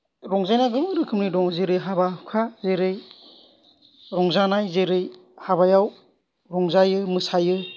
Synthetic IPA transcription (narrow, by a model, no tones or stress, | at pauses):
ɾɔŋzajnaɡɯmɯɾɯkʰɯmnidɔŋzeɾɯjɦabakʰazeɾɯj | ɾɔŋzanajzeɾɯjhaβajaw | ɾɔŋzajɯmɯsajɯ